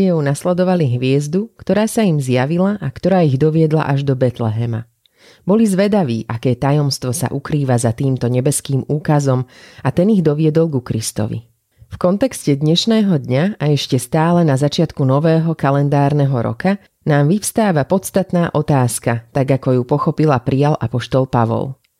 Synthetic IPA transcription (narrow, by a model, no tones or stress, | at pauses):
ɔʊnaslɛd̪ɔʋaliɦʋɪɛzd̪ukt̪ɔɾaːsaimzjaʋilaʔakt̪ɔɾaːiɣd̪ɔʋɪɛd̪la̰ʔaʒd̪ɔbɛt̪lɛɦɛma̰ | bɔlizʋɛd̪aʋḭːʔakɛːt̪ajɔmst̪ʋɔsa̰ʔukɾiːʋazat̪iːmt̪ɔɲɛbɛskiːmuːkazɔmat̪ɛniɣd̪ɔʋɪɛd̪ɔlˠɡukɾist̪ɔ̰ʋḭ | fkɔnt̪ɛkscɛd̪ɲɛʃnɛːɦɔd̪ɲaaɛʃcɛst̪aːlɛnazat͡ʃɪat̪kunɔʋɛːɦɔkalɛnd̪aːɾnɛɦɔɾɔ̰ka | naːmʋifst̪aːʋapɔt̪st̪at̪naːʔɔt̪aːskat̪aɡakɔjupɔxɔpilapɾialʔapɔʃt̪ɔlˠpaʋɔ̰lˠ